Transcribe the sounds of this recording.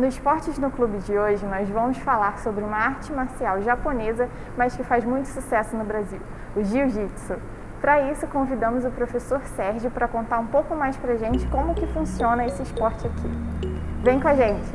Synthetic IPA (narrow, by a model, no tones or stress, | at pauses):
nʊzɪʃpɔɾt͡ʃɪznʊklubɪd͡ʒɪoʒɪnɔzvɐ̃mʊsfalaɾsobɾɪũmɐaɾt͡ʃɪmaɾsiawʒaponezɐ | mɐskɪfazmũj̃t̪ʊ̥susɛsʊnʊbɾaziw | ʊʒiwʒiksʊ | pɾɐisʊkõvid̪ɐ̃mʊzʊpɾofesoɾsɛɾʒɪpɾɐkõnt̪aɾũpowkʊmajspɾɐʒẽnt͡ʃɪ̥kõmʊːkɪfũsiõnɐesɪɪʃpɔɾt͡ʃɪakʰḭvẽj̃kõaʒẽnt͡ʃɪ̥